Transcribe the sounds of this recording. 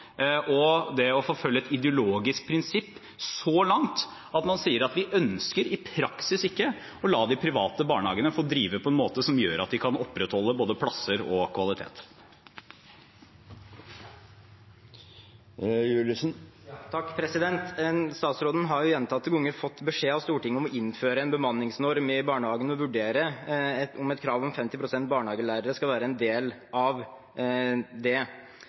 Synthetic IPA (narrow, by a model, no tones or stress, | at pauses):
ʔɔd̪ɛɔfoːfœlːəɛt̪ɪd̪ɪʊloːɡɪsk̚pʰɾɪnsɪpː | sɔlɑŋt̪ | ɑt̪mɑnsiːəɾɑt̪ʋɪʔœnskəɾɪpʰɾɑksɪsɪkːə | ɔlɑːd̪ɪpʰɾɪʋɑːt̪əbɑ̰ːɳəhɑːɡənəfoːd̪ɾiːʋəpʰɔɛnmoːt̪əsɔmjøːɾɑ̰t̪̚d̪ɪkʰɑnɔpːɾɛt̪hɔlːəboːd̪əpʰlɑsəɾɔkʰʋɑlˠɪt̪ʰḛːt̪ | jʉːləsnt̪ʰɑkːpʰɾɛsɪd̪ɛnt̪st̪ɑːt̪sɾoːd̪ən̩ɦɑɾjʊjɛnt̪ʰɑt̪ːəɡʊŋːəɾfɔt̪ːbəʂeːɑʋst̪uːʈɪŋːəɔmɔɪnːføːɾəɛnbəmɑnːɪŋsnɔɾmɪbɑːɳəhɑːɡənɔʋʉɖeːɾə | ɔmɛt̪kʰɾɑːʋɔmfɛmt̪ɪpʰɾʊsɛnt̪̚bɑːɳəhɑːɡəlæːɾəɾəskɑlʋæːɾəɛnd̪eːlɑʋ | d̪ɛ